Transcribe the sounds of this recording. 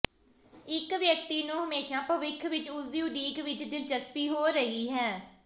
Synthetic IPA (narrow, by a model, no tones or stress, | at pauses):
ɪkʋjək̚t̪iːnũːɦəmeːʃãːpəʋɪkʰʋɪt͡ʃʊzijũːɖiːkʋɪt͡ʃd̪ɪld͡ʒəspiːɦoːɾəɦiːɦɛː